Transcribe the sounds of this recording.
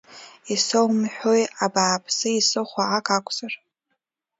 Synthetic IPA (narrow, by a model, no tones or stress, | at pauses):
isowmħᶣojabaːpʰsɨisɨχʷaʕakʰʼakʷʰʼz̥ar